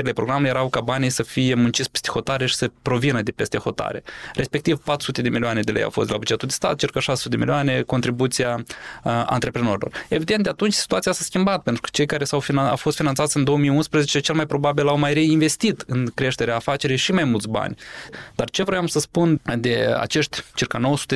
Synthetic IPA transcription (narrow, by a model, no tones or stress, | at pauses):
ɾile̞pɾo̞ɡɾamejeɾawkabanijsəfije̞munt͡ʃit̪sʲpest̪exo̞t̪aɾe̞ʃi̥səpɾo̞vinəd̪e̞pest̪e̞xo̞t̪a̰ɾe̞̰ɾʔe̞spe̞k̚t̪ivpat̪ɾu̥sut̪e̞d̪e̞milianed̪elḛja̰wfosd̪ela̰bud͡ʒe̞t̪uld̪est̪a̰t̪̚t͡ʃirkaʃasəsut̪ed̪emilʲioane̞ko̞nt̪ɾibut̪sija | a̰nt̪ɾe̞pɾeno̞ɾilo̞̰re̞vid̪end̪eat̪unt͡ʃʲsi̥t̪uat̪sijasaskʲimbat̪̚pe̞nt̪ɾukə̥t͡ʃe̞jkaɾe̞sawfia̰wfost̪finantsat̪sʲɨnd̪o̞wəmijunspɾəzet͡ʃe̞t͡ʃe̞lmajpɾo̞babilawmajɾe̞inve̞st̪it̪ɨnkɾe̞ʃt̪eɾeaːfat͡ʃe̞ɾijʃimajmult̪sʲba̰nʲd̪̥art͡ʃe̞vɾojamsəspund̪e̞a̰t͡ʃe̞ʃt̪ʲt͡ʃirkano̞wəsu̥t̪e